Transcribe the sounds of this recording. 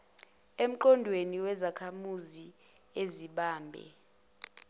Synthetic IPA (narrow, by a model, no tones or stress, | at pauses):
em̩ǃɔndʱweniwɛzakʰamuzi | eziɓaːmbʱɛ̰